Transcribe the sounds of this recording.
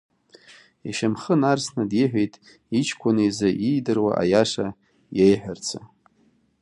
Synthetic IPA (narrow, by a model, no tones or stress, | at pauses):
iʃamχənarsnadiħʷᶣejtʼ | it͡ʃʰkʷʰʼanɨjzaʔijdɨrwa̰ʔa̰jaʂa | jejħʷᶣart͡sʰa